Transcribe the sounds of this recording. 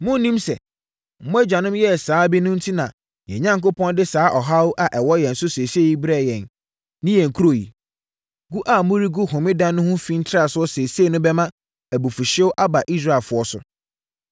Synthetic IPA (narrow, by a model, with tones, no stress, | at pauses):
mʊ̃˦nĩ˦msɛ˨ | mʊ̃˦æ˦d͡ʑᶣã˨nʊ̃˦jɛ˦˨saː˨˦bi˦nʊ̃˦n̩˦tʰi˦nã˨ | jɛ̰˨ɲã˦ŋko˦pʰɔ̃˦ndɪ˦saː˨˦ʔɔ˨ɦa˦wʔa˨ʔɛ˨wɔ˦jɛ̃˨n̩˨sʊ˦se˨si˦e˦ji˦bɾɛ˦˨jɛ̃˨n | nɪ̃˦jɛ˨ŋ̩˨kʰu˦ɾo˨jḭ˨ | ɡu˦ʔa˨mʊ̃˦ɾi˦ɡu˦ɦõ˨mɪ̃˦dã˦nːʊ̃˦hʊ̃˦fĩ˦n̩˦tʰɪ˦ɾa˦˨sʊ˦ɔ˦sɛ˨si˦e˦˨nʊ̃˦bɛ˦mã˦ | æ˨bu˨fu˨ɕɛ˦wʔa˦ba˨ʔi˦s̬ɾa˦˨e˨lfʊ˨˦ɔ˦sʊ˨